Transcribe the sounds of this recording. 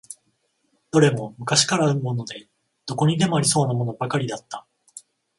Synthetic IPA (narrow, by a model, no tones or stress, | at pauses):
d̪̥o̞ɾe̞mo̞mɯ̟kaɕi̥kaɾaɯ̟mo̞ːno̞d̪e̞ | d̪̥o̞ko̞ɲ̟id̪e̞moaɾʲiso̞ːnamo̞no̞bakaɾʲid̪at̪ːḁ